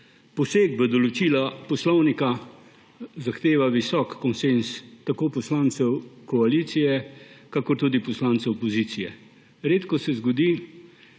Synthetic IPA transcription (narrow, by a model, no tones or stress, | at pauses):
pɔseːɡ̚bəd̪ɔlɔt͡ʃiːlapɔslɔwnika | zaxt̪eːʋaʋisɔkːɔnsenst̪akoːpɔslaːnsɛwkɔaliːt̪sijɛkakɔɾt̪uːd̪ipɔslaːnsɛwpɔziːsijɛ̰ | ɾeːt̪kɔsɛzɡɔd̪iː